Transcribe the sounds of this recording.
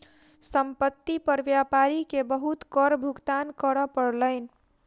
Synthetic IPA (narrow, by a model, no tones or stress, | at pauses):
səmpət̪ːipəɾbjapaɾikebəɦut̪kɔɾbʱuɡt̪ankəɾɔpəɾləɪn̆